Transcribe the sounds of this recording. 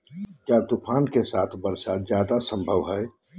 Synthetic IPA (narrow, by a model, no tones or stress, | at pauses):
kjat̪ʊpʰaːnkesaːt̪ʰbəɾsat̪zjaːd̪asə̃mbʱəʋɦɛ